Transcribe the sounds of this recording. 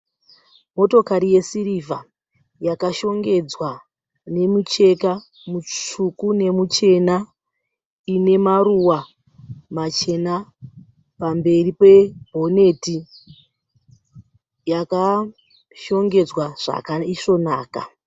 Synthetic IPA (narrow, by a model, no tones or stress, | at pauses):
mo̞to̞kaɾije̞sirivʱa | jakaʃo̞ŋɡe̞d͡zwa | ne̞mut͡ʃe̞ka | muukune̞mut͡ʃe̞na | ine̞maruwa | mat͡ʃe̞na | pambe̞ripe̞bʱo̞ne̞ti | jaka | ʃo̞ŋɡe̞d͡zwaʐ̥a̰kaiʂo̞naːka